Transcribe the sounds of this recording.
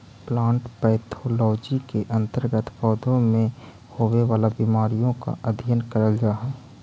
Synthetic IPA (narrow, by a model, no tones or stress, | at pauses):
plãːɳʈpɛːt̪ʰoːlɔːd͡ʒikeʔə̃nt̪əɾɡət̪ʰpɔːd̪õmẽ | hoːweʋaːlabimaːɾijõka̰ʔəd̪ʱijənkəɾəld͡ʒaːɦɛː